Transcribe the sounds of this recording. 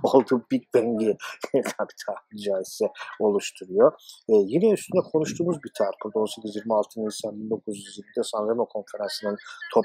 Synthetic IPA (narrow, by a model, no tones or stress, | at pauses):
olˠt̪ʰubiɾbɛɲɟit̪ʰabi̥t̪ʰahmid͡ʒajisɛo̞lˠuʃt̪ʰuɾujojinɛyst̪ʰynd̪ɛkʰo̞nuʃt̪ʰuːmuzbiɾt̪ʰaɾkʰuɾd̪o̞nsecʲʰyzjiɾmialˠt̪ʰɯninʲsanbind̪o̞kʰuzjyzjiɾmid̪ɛsanɾemokʰo̞nfeɾansɯnɯnt̪ʰo